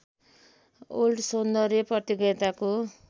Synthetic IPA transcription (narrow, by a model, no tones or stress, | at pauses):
olʈsond̪ʌɾeprʌt̪jiɡʌt̪ako